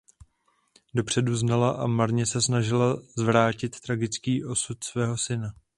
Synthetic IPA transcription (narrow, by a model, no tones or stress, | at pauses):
do̞pr̝̥ɛduznalaʔa̰maɾɲɛsɛsnaʒɪlazvɾaːcɪt̪ːɾaɡɪt͡skiːʔo̞sut̪svɛːɦo̞sɪna